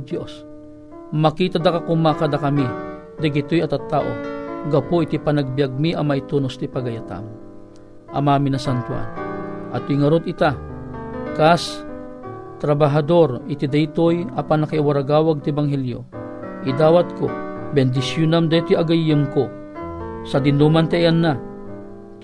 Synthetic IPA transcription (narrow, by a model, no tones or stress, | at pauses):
d̪os | mɐkiːt̪ad̪akakʊmakad̪ɐkɐmi | d̪ɐɡɪt̪ojɐt̪at̪ːaːʔo̰ɡɐpoʔit̪ipɐnaɡ̚bijaɡ̚miʔɐmait̪unost̪ipaɡɐjat̪a̰m | ʔɐmaːminɐsant̪wa̰nʔɐ̰t̪̚iŋɐɾot̪ɪt̪a | kas | t̪ɾabaɦɐd̪oɾɪt̪id̪ajt̪ojapanɐkaiwaɾaɡaːwaɡ̚t̪ɪbaŋɦɛljo̰ | ʔid̪aːwat̪̚kobɛnd̪ɪsjʊnamd̪ajt̪ojaɡajːɨmko | sɐd̪ɪnumant̪ɛʔjanːa